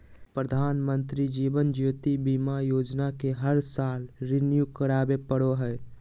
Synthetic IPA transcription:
pɾəd̪ʱanmənt̪ɾid͡ʒibənd͡ʒjot̪ibimajod͡ʒnakeɦəɾsalɾinjukəɾabepəɽoɦəj

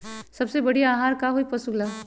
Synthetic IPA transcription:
sɐbsebɐɽiaːɦaːɾkaɦoipɐsuɡlaː

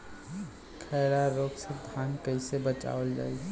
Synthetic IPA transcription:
kʰəːɾaɾoːksed̪ʱaːnkəɪsebət͡ʃa̰ːəld͡ʒa̰ːi

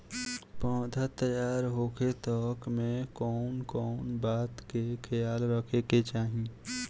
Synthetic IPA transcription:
pɔ̃ːd̪at̪əjaːɾɦoːkʰet̪ɔːkmẽkɔːnkɔːnbaːt̪kekʰɐjaːlɾəkʰeket͡ʃaːɦĩ

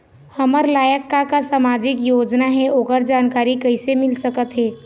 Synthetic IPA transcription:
hɐməɾlaːjəkːakasamaːd͡ʒɪkjoːd͡ʒnaɦɛʔoːkəɾd͡ʒaːnkaːɾikəɪsemɪlsəkət̪ɦɛː

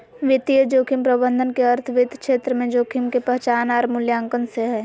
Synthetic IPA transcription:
ʋɪt̪ijəd͡ʒoːkʰimpɾəbə̃nd̪ʱənkeɐɾt̪ʰʋɪd̪ʱkʃeːt̪ɾəmẽd͡ʒoːkʰimkepɛɦt͡ʃaːnaːɾmʊljãːŋkənseɦɛː

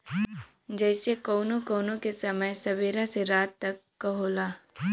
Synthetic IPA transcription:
d͡ʒɛːsekoʊnõkoːnõkesɐməjsɐbeːɾaseɾaːt̪ːɐkːɐɦoːlaː

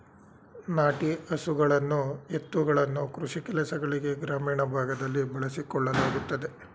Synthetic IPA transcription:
naːʈiɐsuɡɐɭɐnːue̞t̪ːuɡɐɭɐnːukɾuʂikɛlɐsɐɡɐɭiɡe̞ɡɾaːmiːɳɐbʱaːɡɐd̪ɐlːibɐɭɐsikɔɭːɐlaːɡut̪ːɐd̪e̞

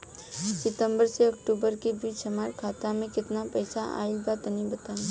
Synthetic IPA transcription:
sɪt̪ə̃mbəɾseɐkʈuːbəɾkibiːt͡ʃʃɐmaːɾkʰaːt̪amẽkɪt̪napɛːsaa̰ːibaːt̪ənĩbɐt̪aː

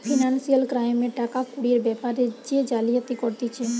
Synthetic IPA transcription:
pʰinansijəlkɾajmeʈakapuɽieɾbɛpaɾed͡ʒed͡ʒalijɔt̪ikɔɾt̪it͡ʃʰe

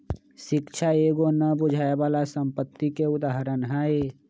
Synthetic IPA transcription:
ʃɪkt͡ʃʰaeːɡonəbʊd͡ʒʱaːebaːlasə̃mpət̪ːikeʊd̪aːɦəɾənɦae

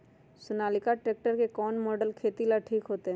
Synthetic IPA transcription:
sʊnalikaʈɾek̚ʈəɾkekɔnmɔɖəlkʰet̪ilaʈʰiːkɦoːt̪e

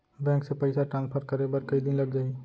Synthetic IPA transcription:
bɛ̃ːŋksepɐɪsaʈɾãːnspʰəɾkɐɾebɐɾkɐid̪ɪnlɐɡd͡ʒaːi

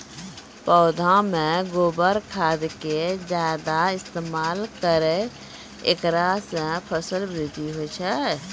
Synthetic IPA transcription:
pɔːd̪ʱãmẽɡoːbəɾkʰaːd̪ked͡ʒaːd̪aɪst̪eːmaːlkəɾe | ḛkɾasẽpʰəsəlbɾɪd̪ʱiɦot͡ʃʰɛ

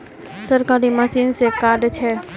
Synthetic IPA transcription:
səɾkaːɾiməsiːnsekaːɖt͡ʃʰɛ

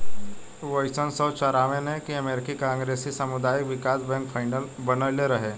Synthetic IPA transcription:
ʋəɪsənsɔːt͡ʃaɾaːʋẽnẽkiɐmeːɾkikãːŋɡɾeːsisəmʊd̪aːjɪkʋɪkaːsbɛ̃ŋkpʰaːɪnəlbənəleɾɐɦeː

